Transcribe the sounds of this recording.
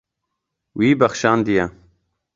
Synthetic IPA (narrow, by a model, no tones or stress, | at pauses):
wiːbɐxʃaːnd̪ijaː